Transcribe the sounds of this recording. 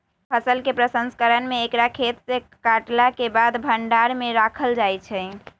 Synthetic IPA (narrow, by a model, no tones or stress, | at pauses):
pʰəsəlkepɾəsənskəɾənmeːkɾakʰet̪sekaʈlakebad̪bʱəɳɖaɾmeɾakʰəld͡ʒajt͡ʃʰɛ